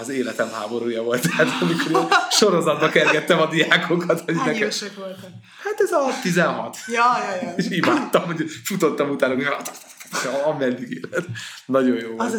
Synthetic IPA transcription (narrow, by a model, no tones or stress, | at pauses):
ɒzeːlɛt̪ɛmɦaːbo̞ɾuːjɒvo̞lt̪aːt̪ɒmikoɾiʃo̞ɾo̞zɒd̪bɒkɛrɡɛt̪ːɛmɒd̪iaːkʰokɒt̪hoɟ̪ɛkɛʃɛkʋolt̪ | hat̪ɛzɒt̪izɛnɦɒt̪jɔjjeʃimaːt̪ːɒmoɟfut̪ot̪ːɒmut̪aːnukoɒt̪ | t̪ɒmɛd̪ːiɡeːlɛt̪nɒɟo̞joː